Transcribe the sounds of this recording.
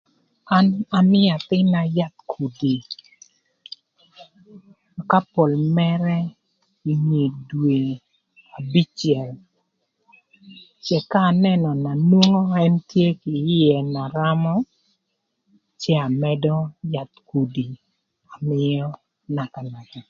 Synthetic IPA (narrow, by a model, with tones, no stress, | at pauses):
a˦na˨mɪ˦a˨t̪ɪ˦na˨ja˦t̪̚kʰu˨di˨ | ka˦po˨lmɛ˦ɾɛ˦ | i˨ŋe˨dwe˨ | a˨bi˦t͡ʃjɛ˨l | t͡ʃɛ˨kaː˦˨nɛ˦nɔ˨na˨nwo˦ŋo˦ɛ˦ntje˦kɪ˨˦ɛ˨na˨ɾa˦mɔ˦ | t͡ʃɛ˦a˨mɛ˦dɔ˦ja˨t̪̚ku˨di˨ | a˨mɪ˦ɔ˦ | na˨ka˨la˨ta˨